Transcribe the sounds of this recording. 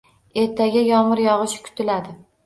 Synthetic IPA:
e̞ɾt̪ʰaɡʲajɒmɪɾjɒʁɨʃkʲʰʊ̥t̪ʰɪlad̪ɪ

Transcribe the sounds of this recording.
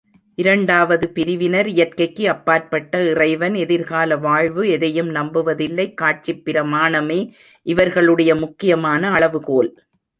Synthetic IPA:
ʔɪɾɐɳɖaːʋɐðɯpɪɾɪʋɪnɐɾɪjɐɾkɐɪkːɯɐpːaːɾpɐʈːɐɪrɐɪʋɐnɛðɪɾɣaːlɐʋaːɻʋɯɛðɐjɯmnɐmbɯʋɐðɪlːɐɪkːaːʈ̚t͡ʃɪpːɪɾɐmaːɳɐmeː | ʔɪʋɐɾɣɐɭɯɽɐjɐmʊkːɪjɐmaːnɐːɭɐʋɯkoːl

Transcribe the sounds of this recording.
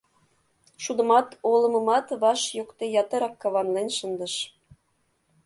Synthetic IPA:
ʃud̪ə̆mɑt̪olɤ̆mɤ̆mɑt̪βɑʃjokt̪ejɑt̪ɤ̆ɾɑkːɑβɑnlenʲʃənd̪ə̆ʃ

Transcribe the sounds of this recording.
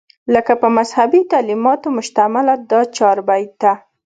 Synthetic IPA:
ləkapəmazhabit̪alimɑt̪omʊʃt̪amalad̪ɑt͡ʃɑɾbajd̪̚d̪a

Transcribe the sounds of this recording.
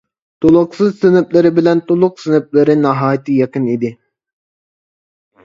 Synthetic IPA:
t̪ʰolˠʊqsɨzsɪnɪp̚lɪɾɪbɪlɛnt̪ʰolˠʊq̚sɪnɪp̚lɪɾɪnɑɦɑːjt̪ʰɨjɛqɨnid̪ɪ

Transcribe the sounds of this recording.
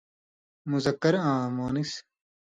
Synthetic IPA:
muzɐkːɐɾãːmoːnis

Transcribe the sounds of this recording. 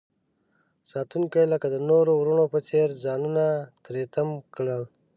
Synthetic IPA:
sɑːt̪uŋkajləkad̪ənoɾowɾuɳopət͡seɾzɑːnunat̪ɾet̪əmkɽəl

